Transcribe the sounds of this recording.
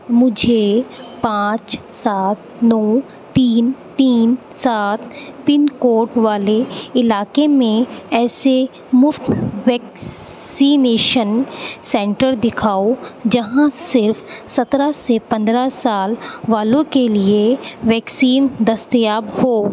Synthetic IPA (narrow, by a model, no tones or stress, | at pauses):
mʊd͡ʒʱepãːt͡ʃsaːt̪̚ | nɔː | t̪iːnt̪iːn | saːt̪̚ʰpɪnkoːɾʈʋaːleɪlaːkemẽɛːse | mʊft̪ʋɛːk | siːneːʃənsɛ̃ːɳʈəɾd̪ɪkʰaːod͡ʒɐɦãsɪɾfsɐt̪ɾasepɐ̃nd̪ɾasaːlʋaːlõkelieʋɛːksiːnd̪ɐst̪jaːbhoː